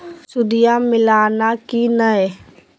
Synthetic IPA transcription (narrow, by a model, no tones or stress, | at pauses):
sʊd̪ijamɪlaːnakinəe